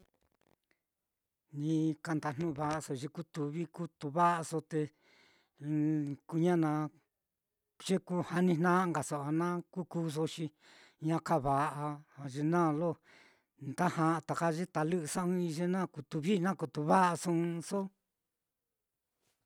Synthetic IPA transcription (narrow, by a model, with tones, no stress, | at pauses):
nĩ˧ka˧nd̪a˧˨n̥nũ˧βa˧˨ʔa˧so˧ʒe˧ku˦t̪u˨βi˦ku˦t̪u˧βa˦ʔa˧so˧t̪e˧ | ku˧ɲã˦nã˧ | ʒ̥e˦ku˦ha˧nĩ˧nnã˦˧ŋɡa˨so˨a˧nã˦ku˦ku˦s̬o˧ʃĩ˧ | ɲã˧ka˦βa˨ʔa˧a˧ʒe˧nã˦˨˧lo˦ | nd̪a˦hã˧ʔt̪a˨ka˦ʒe˦t̪a˧lɨ˦ʔɨ˧sã˦ũ˦˧i˧ʒe˦nã˦˨ku˧t̪u˧βi˦nã˦ku˧t̪u˧βa˦ʔa˧sũ˧so˦